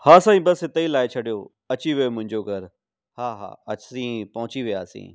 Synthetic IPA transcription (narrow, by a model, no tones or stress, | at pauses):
haːsaːĩbɐsɦɪt̪əilaːɪt͡ɕʰɐɽijo | ɐt͡ɕiʋijomʊ̃ɦɪ̃ɲd͡ʑoɡʱɐɾ | haːɦa̰ːɐsĩːpɐɦʊ̃t͡ɕiʋijaːsḭ̃ː